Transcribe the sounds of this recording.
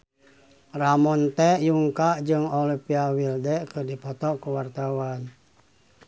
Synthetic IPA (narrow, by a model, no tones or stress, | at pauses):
ramɔnt̪ɛjuŋkaʔd͡ʒɨŋɔlipiawildɛkɨrdipɔt̪ɔkuwart̪awan